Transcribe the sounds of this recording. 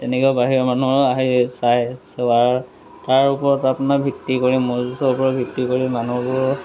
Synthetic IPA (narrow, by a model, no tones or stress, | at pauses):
tɛnɛkɔabaɦiɹɔmanuɹaɦisajsɛaɹ | taɹupɔɹɔtapʊnabʱiktikoɹimɔzusɔupɔɹɔt̚bʱiktikoɹimanubɔɹɔ